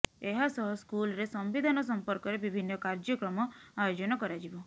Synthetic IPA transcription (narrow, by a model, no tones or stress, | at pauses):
eɦasɔɦɔskulɾesɔmʋid̪ʱanɔs̬ɔmpɔɾkɔɾebibʱinːɔkaɾd͡ʒɔkɾɔmɔajod͡ʒɔnɔkɔɾad͡ʒibɔ